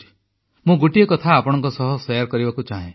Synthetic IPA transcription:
mũɡuʈijekɔt̪ʰaːpɔɽ̃ɔ̃ŋkɔsɔɦɔsejaɾkɔɾibakut͡ʃaɦẽ

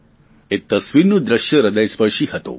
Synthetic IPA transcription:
et̪ːɐsʋinud̪ɾəʃjəɾɐd̪ɐjspɐʃihɐt̪o̰

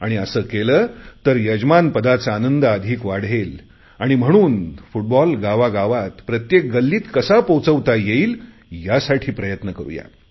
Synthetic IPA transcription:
aɽ̃iəsəːkeləːt̪əɾjəd͡ʑmanpəd̪at͡saːnənd̪əəd̪ʱiːkʋaɽ̤el | aɽ̃im̤əɽ̃uːnfuʈ̚bɔlɡaʋaɡaʋat̪pɾət̪jek̚ɡəlːiːt̪kəsapowt͡səʋt̪ajeiːl | jasaʈʰiːpɾəjət̪nəkəɾṵja̰

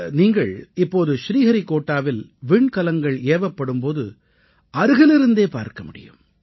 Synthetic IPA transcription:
niːŋɡɐɭɪpːoːðɯʃɾiːɣɐɾikoːʈːaːʋɪlʋiːɳkɐlɐŋɡɐɭeːʋɐpːɐɽɯmpoːðɯ̰ | ɐɾɯɣɐlɪɾɯnd̪eːpa̰ːɾkɐmʊɽɪ̰jɯ̰m

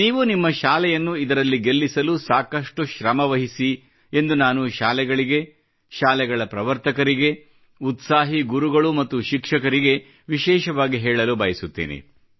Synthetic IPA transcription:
niːʋunimːɐʃaːlɛjɐnːuid̪ɐɾɐlːiɡe̞lːisɐlusaːkɐʂʈuʃɾɐmɐʋɐɦisi | end̪unaːnuʃaːlɛɡɐɭiɡe̞ | ʃaːlɛɡɐɭɐpɾɐʋɐɾt̪ɐkɐɾiɡe̞ | ut̪saːɦiɡuɾuɡɐɭumɐt̪ːuʃikʂɐkɐɾiɡe̞ | ʋiʃɛːʃɐʋaːɡiɦɛːɭɐlubɐjɐsut̪ːḭːnḭ

